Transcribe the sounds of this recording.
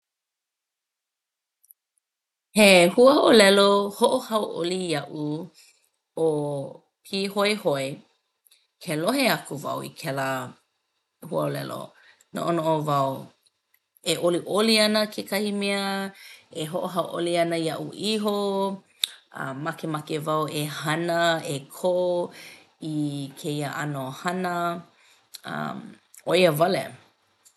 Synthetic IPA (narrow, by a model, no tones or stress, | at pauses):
hehuəhoʔolɛlohoʔohɐwʔo̰lijɐʔu | o | pʰihoehoe | kʰeloɦeɐkuvɐ̰wḭkʰɛlə | huəolɛ̰lo̰ | no̰ʔonoʔovɐw | eʔoliʔoliɐnəkʰekʰɐhimɛə | eɦoʔoɦɐwʔoliɐnəiɐʔṵʔiɦo | ɐ̰mːɐkemakevɐwehɐnəekʰo | ikʰejəʔɐnohɐnə | ɐ̰m | oiəvɐlḛ